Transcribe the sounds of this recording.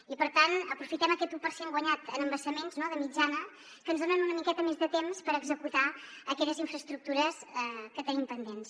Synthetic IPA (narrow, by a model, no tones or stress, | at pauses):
ipəɾt̪anəpɾufit̪ɛməkɛt̪upəɾsiɛmɡwəɲat̪ənəmbəsəmenznoðəmid͡ʒanə | kənzðonɛmunəmikɛt̪əmezðət̪emspəɾəɡzəkut̪aəkɛʎəziɱfɾəst̪ɾuk̚t̪uɾəsɛkət̪ənimpənd̪ens